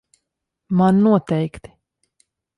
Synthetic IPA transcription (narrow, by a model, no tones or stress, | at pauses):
manːuɔt̪ɛjkt̪i̥